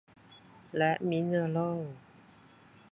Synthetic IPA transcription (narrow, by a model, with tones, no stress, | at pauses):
lɛ˦˥ʔmi˦˥nə˧lo˥˩w